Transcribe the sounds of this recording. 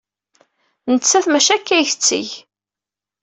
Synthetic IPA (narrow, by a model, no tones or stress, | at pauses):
nət͡sːæθmæʃækːæjçə̥t͡sːḭʝ